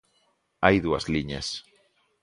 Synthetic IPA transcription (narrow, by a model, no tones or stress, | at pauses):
ajðua̰zliɲḛs